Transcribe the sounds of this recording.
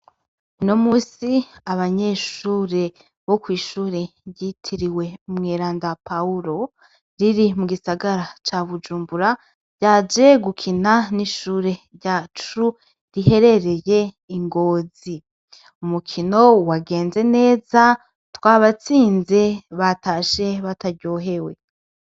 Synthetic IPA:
uno̞muːsiaβaɲe̞ʃuːɾe̞ | βo̞kwiːʃuːɾeβjitʰiɾiwe̞umŋeːɾaːndapauɾo̞ | ɾiɾimuɡisaɡaɾat͡ʃaβud͡ʒuːmbuɾa | ɟ̥aːd͡ʒe̞ɡukʰinaniʃuːɾe̞ɾɟat͡ʃu | ɾihe̞ɾe̞ɾe̞je̞ | iŋɡo̞ːzi | umukʰino̞waɡe̞ːnze̞ne̞ːza | twaːβat͡siːnze̞βataʃe̞βataɾɟo̞ːɦe̞we̞

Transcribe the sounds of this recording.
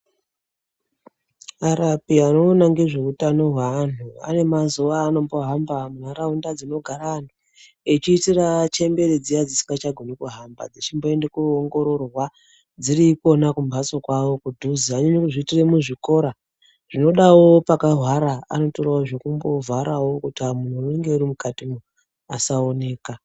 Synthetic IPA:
aɾapiano̞naŋɡe̞ʐe̞utano̞ɦwaːn̤ua̰ne̞mazuʋaːno̞mbo̞ɦambamunaɾaundad͡zino̞ɡʱaɾaːnu | it͡ʃiːtirat͡ʃe̞mbe̞ɾed͡zijad͡zisi̥ŋɡat͡ʃaɡʱonikuɦamba̰d͡zit͡ʃimbo̞e̞ndekuoŋɡo̞ɾo̞rwa | d͡ziriko̞nakumbʱaso̞kwawo̞kudʱuziaɲeɲokuʐitire̞muʐiko̞ɾa | ʐ̥ino̞ɗawopakaɦwaɾaa̰no̞toɾawoʐokumbo̞vʱaɾawo̞kutiamun̤uneŋɡeurimukatimu | asaone̞ːka

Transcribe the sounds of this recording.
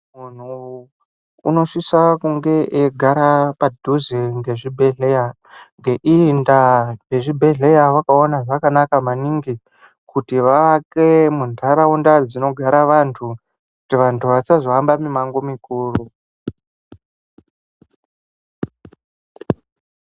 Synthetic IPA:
mun̤u | ṵno̞ʂisakuŋɡe̞ʔeɡʱaɾapadʱuzeŋɡe̞ʐibʱe̞ɮeja | ŋɡe̞ʔindareʐibʱe̞ɮe̞jaʋakao̞naʐakanakamaniŋɡi | kutiʋaakemuntaɾaundad͡zino̞ɡʱaɾaʋantʰu | kutiʋantʰuʋat͡sazoambamimaŋɡomikuːru

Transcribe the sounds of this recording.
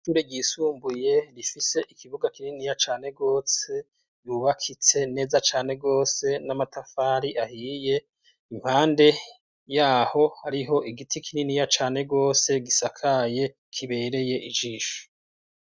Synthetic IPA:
ʃuːɾeɟiːsuːmbuje̞ɾifise̞ʔikʰiβuɡakininijat͡ʃaːne̞ɡo̞ːse̞ | juβakʰit͡se̞ne̞ːzat͡ʃaːne̞ɡo̞ːse̞namatafaːɾiʔahiːje̞ | imhaːnde̞ | jaːho̞haɾiɦo̞ʔiɡitʰikʰininijat͡ʃaːne̞ɡo̞ːse̞ɡisakʰaje̞ | kʰiβe̞ɾe̞je̞ʔid͡ʒiːʃo̥

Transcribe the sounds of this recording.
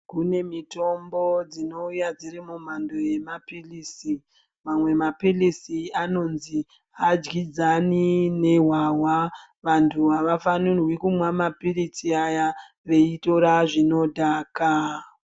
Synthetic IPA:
kune̞mito̞mbo̞d͡zino̞ujad͡ziɾimum̤ando̞je̞mapilisi | mamwe̞mapilisiano̞nzi | ad͡ʒɡid͡zanine̞ɦwawa | ʋantʰuʋaʋafanurwikumwamapirit͡siaja | ʋe̞ito̞ɾaʐino̞dʱaːka

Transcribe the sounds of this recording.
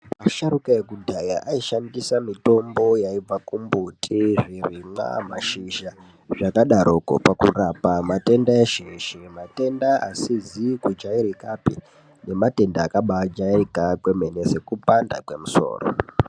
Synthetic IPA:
maʃaɾukaekudʱajaʔaiʃandisamito̞mbo̞jaib͡vakumbutʰiʐirima̰maʃiʒa | ʐakaɗaɾʔoko̰pakṵrapamate̞ndaeʃiʃimate̞ndaʔa̰sizikud͡ʒaiɾikapḭ | ne̞mate̞ndaːkaɓad͡ʒaikakwe̞me̞nese̞kupanda̰kwe̞muso̞̰ːro̰

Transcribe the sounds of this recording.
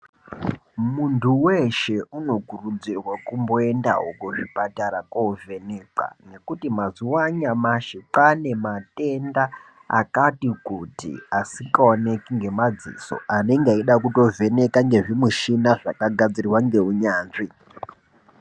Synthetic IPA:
muntʰuwe̞ʃe̞uno̞kurud͡zirwakumbo̞e̞nda̰ɦokoʐipataɾakovʱe̞neǃa̰ne̞kutimaziwaɲamaʃepane̞mate̞nda | a̰katikutḭasikaone̞kiŋɡe̞mad͡zḭso̞̰ʔane̞ŋɡaiɗakuto̞vʱe̞ne̞kaŋɡe̞ʐimuʃinaʐa̰kaɡʱad͡ziriwaŋɡe̞uɲaːnʐi

